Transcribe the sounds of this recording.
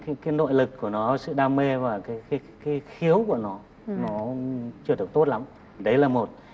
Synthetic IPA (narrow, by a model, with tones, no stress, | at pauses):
ka˨˦ki˨˧˦nɗo̰˧˨jlɨ˨˩k̚kːu˧˩ənɔ˨˦sɨ̰˧˨ɗaː˧mme˧vaː˨˩kaː˨˦jka˨˦ | kaː˨˦xi˨˦əwku˧˩ənɔ˨˦ | nɔ˨˦t͡ɕɨ˧əɗɨ˨˩ək̚t̪o˦˥t̚la˨˧˦m˨ | ɗə˨˦jlaː˨˩mo˨˩t̚